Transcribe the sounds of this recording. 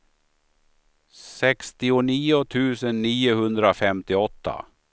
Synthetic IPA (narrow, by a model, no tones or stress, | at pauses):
sɛkst̪ɪʊniːʊt̪ʰʉ̟ːsənːiːʊhɵnd̪ɾafɛmt̪ɪɔt̪ʰːa̰